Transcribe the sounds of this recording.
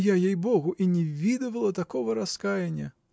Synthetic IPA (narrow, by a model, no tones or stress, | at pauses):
jajejbɔɣuʔinʲɛvʲid̪ɐvɐlˠɐt̪akɔvɐɾaskajenʲːɐ